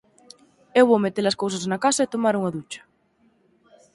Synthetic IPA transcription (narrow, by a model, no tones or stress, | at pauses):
ewβowmet̪eɾɐskows̬asnakasaet̪omaɾuŋaðut͡ʃɐ̥